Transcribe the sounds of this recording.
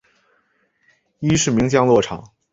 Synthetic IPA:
i˥ʂɻ̩˥˩mi˧˥ŋt͡ɕjɑ˥ŋlwɔ˥˩ʈ͡ʂʰɑ˨˩˦ŋ

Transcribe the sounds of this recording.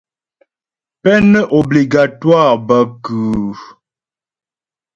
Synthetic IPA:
pɛ˦nə˦ʔo˨bli˨ɡa˨twa˦˨ʁbə˦kʉː˨

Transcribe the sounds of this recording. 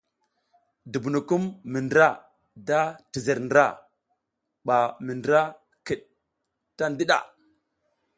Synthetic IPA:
di˨bu˨nu˨ku˦mːi˨ndɾa˦˨ | da˦ti˨zə˨ɾndɾa˦ | ɓa˨mi˨ndɾa˦ | ki˨ɗ̚ | ta˦n˦di˦ɗa̰˨

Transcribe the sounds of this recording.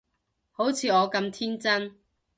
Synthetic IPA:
ho˨˥wt͡sʰiː˨˧ɔː˨˧kɐ˧mt̪ʰiː˥nt͡sɐ˥n

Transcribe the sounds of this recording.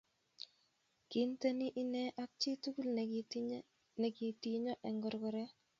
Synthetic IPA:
ki˨nte˦ni˦ʔi˦nɛ˦ʔa˦k̚t͡ʃi˦tu˦ku˦ln | nɛ˨ki˨ti˨ɲɔ˦ʔɛ˨ŋɡɔ˨ɾɡɔ˨ɾɛ˦

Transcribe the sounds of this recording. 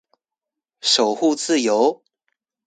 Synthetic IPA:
ʂo˨˩ʊxu˥˧t͡sɹ̩˥˨jo˧˦ʊ

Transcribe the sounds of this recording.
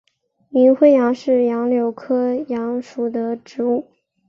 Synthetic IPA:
mi˧˥nxwe˥ɪjɑ˧˥ŋʂɻ̩˥˩jɑ˧˥ŋljo˨˩ʊkʰɤ˥jɑ˧˥ŋʂu˨˩d̪ə˦ʈ͡ʂɻ̩˧˥u˥˩

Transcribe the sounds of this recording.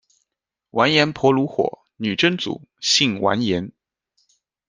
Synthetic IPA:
wʔa˧˥njɛ˧˥npʰwɔ˧˥lu˧˥xwɔ̰˨˩˦ | ny˨˩ʈ͡ʂə˥ŋt͡sṵ˨˩˦ɕi˥˩ŋwʔa̰˧˥njɛ˧˥n

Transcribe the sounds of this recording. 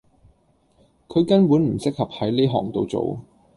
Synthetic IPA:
kʰɵ˨˧ɥkɐ˥npuː˨˥nm̩˨˩sɪ˥k̚hɐ˨p̚hɐ˨˥jleː˥ɦɔ̰ː˨˩ŋt̪o˨˧wt͡so̰˨w

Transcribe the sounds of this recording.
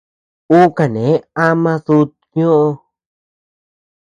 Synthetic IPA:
u˦ka˧˨nẽ˨˦a˦mã˦ðu˧t̪ | ɲõ˦ʔo˧

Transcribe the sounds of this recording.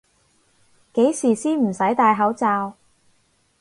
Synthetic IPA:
ke˨˥jsiː˨˩siː˥nm̩˨˩sɐ˨˥jt̪aː˧jɦɐ˨˥wt͡saː˧w

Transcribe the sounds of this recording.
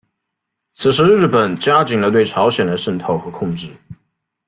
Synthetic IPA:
t͡sʰɹ̩˨˩ʂɻ̩˧˥ɻɻ̩˥˩pə˨˩˦nt͡ɕja˥t͡ɕi˨˥nlə˧t̪we˥˩ɪʈ͡ʂʰɑ˧˥ʊɕjɛ˨˩nd̪ə˦ʂə˥˧nt̪ʰo˥˧ʊxɤ˧˥kʰʊ˥˧ŋʈ͡ʂɻ̩˥˩

